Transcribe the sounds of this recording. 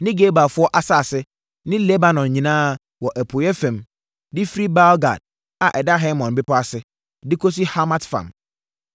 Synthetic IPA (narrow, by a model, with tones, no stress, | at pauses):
nɪ̃˦ɡe˦ba˨fʊ˦ɔ˦ʔa˨sa˦˨sɪ˦ | nɪ̃˦lɛ˦ba˨nɔ̃˨nɲĩ˨nãː˦˨ | wɔ˨ʔæ˨pʰo˨jɛ˦fɛ̃˨m | dɪ˦fɾi˦ba˦lɡa̰˨d̥̚ | a˨ʔɛ˨da˦ɦɛ˦mɔ̃˨nbɪ˦pɔ˦a˨sɪ˨˦ | dɪ˦kʰo˦s̬i˦ha˦ma˦tfã̰˨m